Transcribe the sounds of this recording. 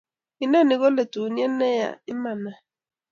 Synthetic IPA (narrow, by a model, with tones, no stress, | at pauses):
i˨na˦˨nɪ˨ɣɔ˦le˨tu˨n˦ɛ˦nːɛ˦ja̰˨ɪ˦ma˨na˨